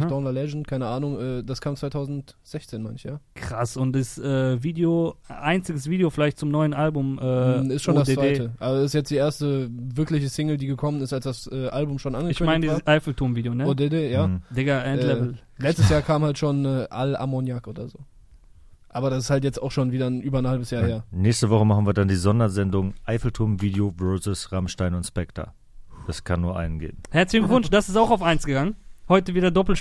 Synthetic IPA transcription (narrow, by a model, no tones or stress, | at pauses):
dɔnlalɛʒn̩t̚kʰaɪnəʔaːnʊŋʔɛːd̥askʰaːmt͡svaɪtʰaʊzn̩tz̥ɛçt͡seːnmaɪnɪçjaːkʁ̥asʊntɪsʔɛːviːdeoʔaɪnt͡sɪɡəsv̥iːdeofɪlaɪçt̚t͡sʊmnɔʏənʔalbʊmʔɛːɪstʃoːndasdeːvdeɪːtəʔabɐsɪsjɛt͡sd̥iːʔeːɐstəvɪɐklɪçəsɪŋl̩diːɡəkʰɔmənɪstalsd̥asʔɛːʔalbʊmʃoːnʔanɡəɪçkʏnmaɪnədaːsʔaɪfl̩tʰoɐnviːdejonəodedeːjaːd̥ɪɡɐʔɛnlɛvl̩ | lɛt͡stəsjaːɐkʰaːmhaltʃoːnɛːʔalʔa̰mɔnjakʔoːdɐzoː | ʔaːbɐɾasɪshaltjɛt͡sta̰ʊxʃoːnviːdɐnʔyːbɐnhalbəsjaːheːɐnɛːçstəvɔχəmaχn̩viːɐdandiːzɔndɐzɛndʊŋʔaɪfl̩tʰʊɐmviːdeovœɹzəsʁamʃtaɪnʊntspɛktʰɐ̰ | d̥askʰanːuːɐʔa̰ɪnənɡḛːbm̩hɛɐt͡slɪçŋvʊnʃd̥asɪ̥staʊxaʊfʔaɪnsɡ̥əɡaŋənhɔʏtəviːdɐdɔpl̩